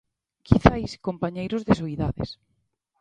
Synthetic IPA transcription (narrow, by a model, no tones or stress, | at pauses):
kʰiθajskompaɲejɾʊzðesoiðaðḛs